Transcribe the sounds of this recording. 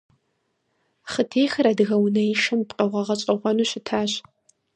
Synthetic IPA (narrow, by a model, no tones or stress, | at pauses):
χətʰeːxɐɾɐdɨɣɐwnɐjɪʃɐmpʼqʼɐʁʷɐʁɐɕʼɐʁʷɔnuːɕɪtʰaːɕ